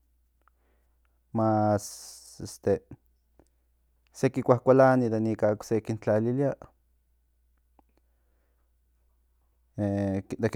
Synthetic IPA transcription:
mas | est̪e | sekikʷahkʷalanid̪enikaksekint͡ɬaliliaʔ | ed̪ek

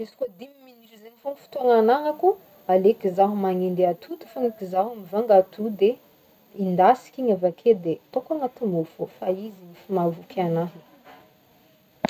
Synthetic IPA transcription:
esi̥kod̪imiminiɾizeɲifonifi̥t̪uanananaku | alekizaɦumaŋind̪eat̪ʰud̪ifoŋikizaɦamivaŋɡat̪ʰud̪e | ind̪asi̥kʲiɲavakʰed̪et̪okaŋat̪umofofaiziɲifimavukʰʲanaɦi

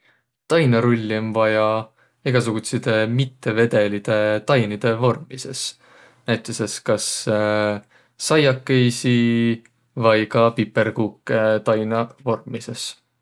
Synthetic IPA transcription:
t̪ɑjnɑɾulʲːmvɑjɑ | eɡ̥ɑs̬uɡ̥ut̪sid̪e̞mit̪ːe̞ve̞d̪e̞lid̪̥e̞t̪ɑjnid̪̥e̞vo̞rmise̞s | næjt̪ˑːese̞skɑs | ɑjɑkːejsi | vɑjkɑpipːe̞rkuːkːet̪ɑjnɑvo̞rmise̞s

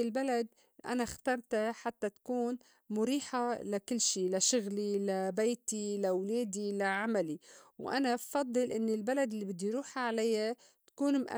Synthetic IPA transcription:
ɪlbalad̪̚ | ʔa̰naxt̪ɑɾˤt̪aħat̪ːat̪ḁkuːn | mʊɾiːħalakɪlːʃiːlaʃʊɣlilabeːt̪ilawleːd̪ilaʕamaliwʔa̰nabfɑd̪ˤːɨlʔɪnːɪlbalad̪ɪlːibɪd̪ːujɾuːħʕalajːa | t̪ḁkuːnmʔa̰

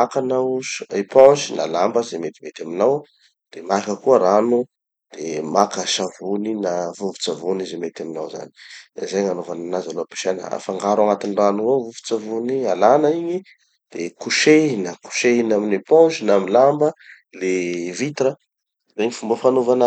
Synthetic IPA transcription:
akanaʃepɔ̃ʒina̰lambəzemet̪i̥met̪ʲaminaw | d̪̥emakəkuəɾanu | d̪̥emakəʃavuninavuvu̥t͡savunizemet̪aminawza̰ni̥zeɲanovananazaloapi̥ʃenə̰a̰faŋɡaɾaŋat̪inranuavuvu̥t͡savunialanəiɲi | d̪̥ekuʃeinəku̥ʃeinaminepɔ̃ʒinamilambə | levit̪ɾə | reɲifumbəfanovanə

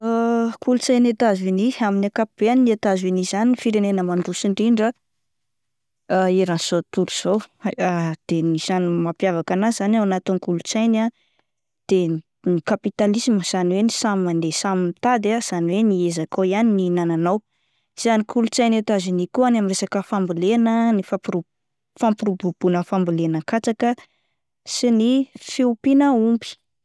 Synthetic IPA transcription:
akulut͡sajnet̪aziniaminakapib̥eaninet̪azinizaniifiɾenenəmanɖ͡ʐusiɳɖ͡ʐiɳɖ͡ʐa | aeɾanz̥ot̪uɾuz̥owad̪̥enisanimapjavakanazanawanat̪inkulut͡sajna | d̪̥e | nikapit̪alisiməz̥aniwenisammand̪esaminit̪ad̪az̥aniweniezakojanininananaw | z̥anikʰulut͡sajnet̪azinikuanamiɾesakəfambilenənifapɾu | fampɾubub̥unəfambilenəkat͡sakə | sinifeupinəumbi̥

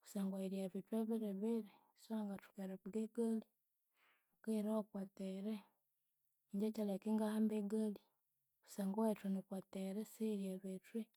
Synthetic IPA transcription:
ku̥saːŋɡaiɾjaβitwaβiɾeβeɾe | saŋɡatu̥keɾeβuɡeɡali | okeɾaokwateɾe | ɲɟecalekeŋɡahambeɡali | βu̥saːŋɡowetwenikwateɾeseiɾjaβetwe

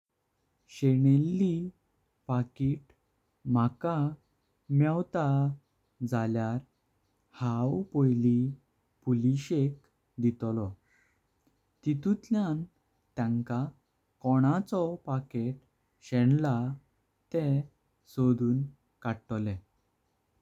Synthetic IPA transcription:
ɕeɳ̃elːi | pakiʈ | m̤aka | mawt̪a | d͡zaljaɾ | hawpojli | puliɕek | d̪it̪lɔ | t̪it̪ut̪ljan | t̪jãŋka | kɔɽ̃at͡sɔpakeʈ̚ | ɕɛɳla | t̪ɛ | sod̪uːn | kaʈlɛ

